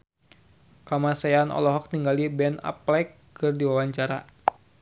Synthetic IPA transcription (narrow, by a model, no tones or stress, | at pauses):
kamasajanʔɔ̰lɔɦɔk̚t̪iŋɡalibɛna̰plɛkː | ɨrdiwawaɲt͡ʃaɾa̰